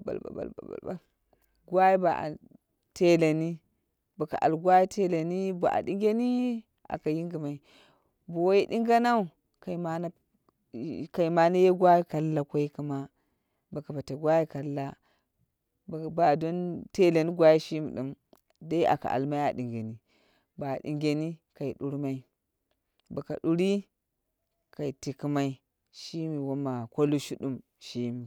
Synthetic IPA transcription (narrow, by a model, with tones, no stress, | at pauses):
ba̰˨lba̰˨ba̰˨lba̰˨ba̰˨lba˨ | ɡʷwa˦ji˦ba˨a̰˨ | te˦la˨ni˦ | ba˨ka̰˨ʔa̰˨lɡʷa˦ji˦tʰe˦la˨ni˦ba̰˨ʔa̰˨di˦ŋɡʲe˦ni˦ | a̰˨ka˨ji˦ŋɡi˨ma˨i˨ | bo˨wje˦di˦ŋ˦ɡa˦na˦u˨ | ka˨i˨ma˦na˦ | ka˨i˨ma˨na˦je˦ɡwa˦ji˦ka˨lːa˦kʷo˦i˦ku˦ma˦ | ba˨ka˨ba˨ta˨ɡʷa˦ji˦ka˨˦a˦ | bba˨do˦nte˦le˨ni˦ɡʷa˦ji˦ʃi˦mi˨ɗu˦m | da˦i˦a̰˨ka̰˨ʔa̰˨lma˦ja̰˨di˨ŋɡe˨ni˨ | ba˨dḭ˨ŋɡʲe˨ni˦ka˨i˨ɗu˦ɾma˦i˦ | ba˨ka̰˨du˦ɾi˦ | ka˨i˨ti˨ki˦ma˦i˦ | ʃi˦mi˨wo˦ma˨ko˦lu˦ʃu˦du˦m | ʃi˦mi˨